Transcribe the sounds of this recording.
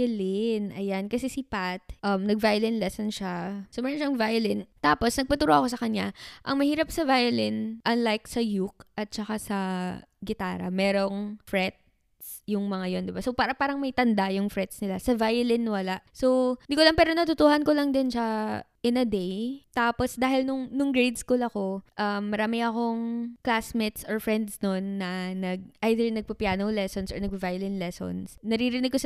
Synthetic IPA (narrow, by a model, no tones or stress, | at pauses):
ɐlɪnʔɐ̰jankɐsɛsɪpat̪̚ʔɐmnɐɡ̚vajlɪnlɛsɛnʃasomɛɾɐnʃɐŋvajɐlɪnt̪aːpo̞snɐɡ̚pɐt̪uːɾoʔɐko̞sɐkɐɲɲaʔɐ̰ŋmɐhiːɾɐpsɐvajɐlɪnʔɐnlajksɐjuk̚ʔɐt̪̚t͡ʃɐkasɐɡɪt̪aːɾɐ̰mɛːɾo̞ŋfɾɛt̪̚ | s | jʊŋmɐŋajo̞nd̪ɪbaso̞paːɾɐpaːɾɐŋmɐjt̪ɐnd̪ajʊŋfɾɛt̪̚snɪlasɐvajɐlɪnːwɐlaʔso̞wɪnd̪ikolɐmpɛːɾo̞nɐt̪ʊt̪uhɐnkolɐŋd̪ɪnʃaʔɪnɐd̪ejt̪aːpo̞sd̪aːɦɪlnʊŋnʊŋɡɹejd̪skulɐko̞ʔɐmːɐɾaːmɪʔɐko̞ŋklasmɛt̪soɹfɹɛnd̪snonːɐnɐɡ̚ʔajd̪ɛɹnɐɡ̚pɐpɪjaːnoŋlɛso̞nsʔɔɹnɐɡ̚pɐvajʊlɪnlɛso̰nsnɐɾiɾɪnɪɡ̚kos